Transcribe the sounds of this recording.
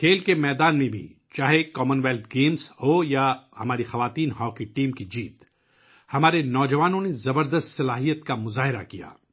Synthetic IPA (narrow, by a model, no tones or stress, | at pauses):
kʰeːlkemɛːd̪aːnmẽbʱḭt͡ʃaːɦekɔːmənʋɛːlt̪ɡeːmzhojahɐmaːɾixɐʋaːt̪iːnɦɔːkiʈiːmkid͡ʒiːt̪ | hɐmaːɾenɔːd͡ʒɐʋaːnõnezɐbəɾd̪əst̪sɐlaːɦijət̪kamʊzaːɦɪɾa̰kija̰ː